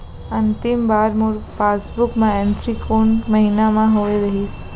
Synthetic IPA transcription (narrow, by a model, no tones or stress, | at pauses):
ənt̪imbaɾmuɾfasbukmãẽɳʈɾikoɳməɦinamãɦoʋeɾəɦiʃ